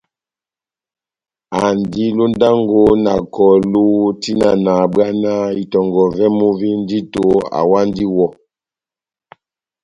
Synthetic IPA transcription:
a˨ndi˦lo˦n˦da˦ŋɡo˦na˨kɔ˨lu˦ti˦na˨na˨bwa˦na˦i˨tɔ˨ŋɡɔ˨vɛ˦mo˦vi˦n˦di˦to˨a̰˨wa˦n˦di˦wɔ˦

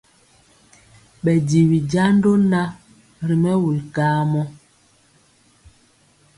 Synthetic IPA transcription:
ɓɛ˨di˨wi˨d͡ʒa˦n˦do˦na˦ | ɾi˨mɛ˦wu˨lkaː˦mɔ˦

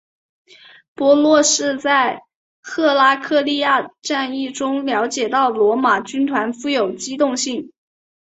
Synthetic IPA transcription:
pwɔ˧˥lwɔ˥˧ʂɻ̩˥˧t͡sa˥˩ɪ | xʰɤ˥˩la˥kʰɤ˥˧li˥˧ja˥˧ʈ͡ʂa˥˧ni˥˩ʈ͡ʂʊ˥ŋljɑ˧˥ʊt͡ɕjɛ˨˩t̪ɑ˥˩ʊlwɔ˧˥ma˨˩t͡ɕy˥nt̪ʰwa˧˥nfu˥˩jo˨˩ʊt͡ɕi˥t̪ʊ˥˧ŋɕi˥˩ŋ

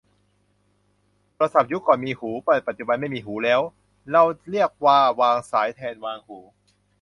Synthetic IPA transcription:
tʰːɾa˧sa˨˩p̚ju˦˥kɔː˨˩nmiː˧huː˩˦pɔː˨˩t̪̚pa˨˩t̪̚t͡ɕu˨˩ba˧nma˥˩jmiː˧ɦuː˩˦lɛː˦˥w | ɾa˧wɾi˥˩ək̚waː˧˩waː˧ŋsaː˩˦jt̪ʰɛː˧nwaː˧ŋhuː˩˦

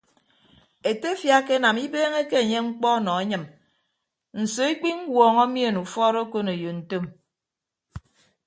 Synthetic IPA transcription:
e˨te˦fja˦ke˦na˨mi˦beː˦ŋe˦ke˦e˨ɲe˦ŋ͡m̩˦k͡pɔ˦nɔ˨e˦ɲɨ˨m | n̩˨so˨i˦k͡pi˦ŋ̩˦wɔː˨ŋɔ˦mje˦˨nu˨fɔ˦ɾo˦ko˦ne˨jo˨n̩˨to˦m

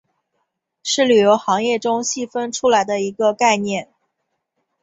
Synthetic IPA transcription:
ʂɻ̩˥˩ly˨˩jo˧˥ʊxɑ˧˥ŋjɛ˥˩ʈ͡ʂʊ˥ŋɕi˥˧fə˥nʈ͡ʂʰu˥la˧˥ɪd̪ə˧i˧˥ɡə˧ka˥˧ɪnjɛ˥˩n

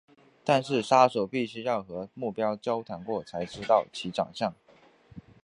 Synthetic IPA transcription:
t̪a˥˧nʂɻ̩˥˩ʂa˥ʂo˨˩ʊpi˥˩ɕy˥jɑ˥˩ʊxɤ˧˥mu˥˩pjɑ˥ʊt͡ɕjɑ˥ʊt̪ʰa˧˥nkwɔ˥˩t͡sʰa˧˥ɪʈ͡ʂɻ̩˥t̪ɑ˥˩ʊt͡ɕʰi˧˥ʈ͡ʂɑ̰˨˩ŋɕjɑ˥˩ŋ

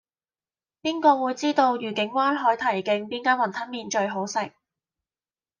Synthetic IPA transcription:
piː˥nkɔː˧wuː˨˧˥jt͡siː˥t̪o˧wjyː˨˩kɪ˨˥ŋwaː˥nɦɔː˨˥jt̪ʰɐ˨˩jkɪ˧ŋpiː˥nkaː˥nwɐ˨nt̪ʰɐ˥miː˨˧nt͡ʃɵ˧ɥɦo˨˥wsɪ˨k̚

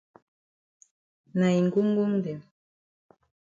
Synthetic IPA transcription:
na˨i˨ŋɡu˦ŋ˦ɡu˦ŋdɛ˨

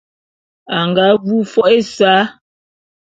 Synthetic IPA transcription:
a˨ŋɡa˨˦vu˦fɔ˦ʔe˦˨saː˨˦

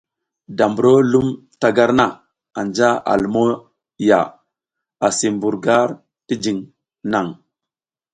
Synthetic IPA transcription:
da˨mbu˨ɾo˦lu˦m | ta˨ɡa˦ɾna˨ | a˨nd͡ʒa˦a̰˨lmo˦ | ja̰˨ | a˨si˨mbu˨ɾɡa˦ɾ | ti˦d͡ʒi˨ŋ | na˦˨ŋ

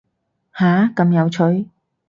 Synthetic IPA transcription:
haː˨˥kɐ˨˧mjɐ˨˧wt͡ʃʰɵ˨˥ɥ

